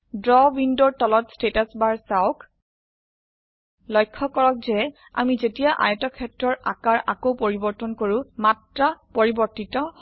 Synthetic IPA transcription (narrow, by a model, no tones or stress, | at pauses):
dɹɔbindoɹtɔlɔtstetasbaɹsaʊk | lɔjkʰːɔkɔɹɔk̚zɛ | a̰mizetijaʔa̰jɛtɔkʰɛtɹɔɹʔa̰kaɹʔakowpoɹibɔɹtɔnkoɹũmatɹapoɹibɔɹtitɔ